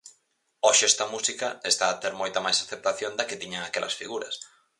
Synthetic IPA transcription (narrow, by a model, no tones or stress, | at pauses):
ɔʃɪɛst̪ɐmusikɐest̪aːt̪eɾmɔjt̪ɐmajsaθep̚t̪aθjond̪ɐkɪt̪iɲaŋakɛlʔɐ̰sfiɣuɾɐ̰s